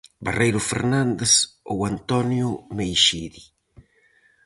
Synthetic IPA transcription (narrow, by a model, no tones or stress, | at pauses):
barejɾʊfḛɾnãnd̪eso̰want̪ɔnjʊmejʃiði